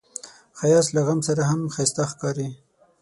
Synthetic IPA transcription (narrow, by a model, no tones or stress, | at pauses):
xajɑslaɣamsaɾaɦamxajst̪axkɑɾi